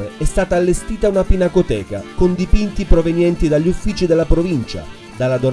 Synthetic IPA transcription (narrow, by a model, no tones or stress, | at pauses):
eɛst̪aːt̪aːlːest̪iːt̪aunapinakot̪ɛːka̰kond̪ipint̪ipɾovenjɛnt̪id̪aʎːufːiːt͡ʃid̪elːapɾovint͡ʃa̰ | d̪alːad̪o